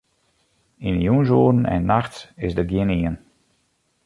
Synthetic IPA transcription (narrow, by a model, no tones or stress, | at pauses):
injuns̬oːdən̩ɛ̰nnːaxtsɪsdəɡjɪəniən